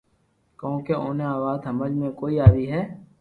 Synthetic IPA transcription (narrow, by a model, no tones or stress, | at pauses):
kõːkeoːneaːʋaːd̪ɦəməd͡ʒmẽkoːiaːɾiɦɛː